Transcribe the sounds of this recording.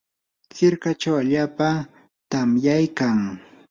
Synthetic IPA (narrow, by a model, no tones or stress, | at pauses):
t͡sɪɾkat͡ʃawaʎaːpa | t̪amjajkaŋ